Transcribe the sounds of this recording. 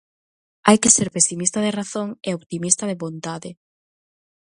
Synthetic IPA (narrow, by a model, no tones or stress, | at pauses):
ajkeseɾpesimist̪aðeraθoŋeoβt̪imist̪aðeβont̪aðɪ